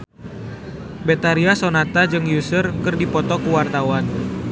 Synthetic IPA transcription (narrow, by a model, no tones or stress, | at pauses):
bet̪aɾiasonat̪ad͡ʒɨŋjusərkərdipɔt̪ɔkuwart̪awan